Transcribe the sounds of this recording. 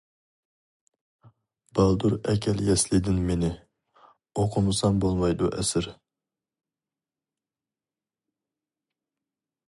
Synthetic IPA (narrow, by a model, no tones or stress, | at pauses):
b̥ɑlˠd̪uɾɛkʲʰɛljɛslɪd̪ɪnmenɪ | oqʰʊmɨsɑŋbolˠmɑjd̪uʔɛsɪɾ